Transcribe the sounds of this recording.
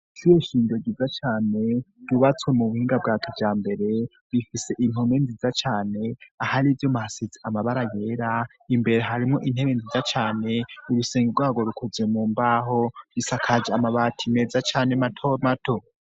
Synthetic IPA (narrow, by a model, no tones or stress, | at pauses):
t͡ʃujeʃiːndo̞ɡizat͡ʃaːne̞d̥uβat͡swe̞muβuhiːŋɡab̚ɡaːkʰevjaːmbe̞ɾe̞ | βifise̞ʔin̥omenzizat͡ʃaːne̞ahaɾivjomahasiziamaβaɾaje̞ːɾa | imbe̞ɾe̞ɦaɾimŋo̞ʔin̥heβenzizat͡ʃaːne̞uɾuseːŋɡiɡwaːɡo̞ɾukʰuzemuːmbaːɦo̞βisakʰad͡ʒeamaβatʰime̞zat͡ʃaːne̞matʰomato̞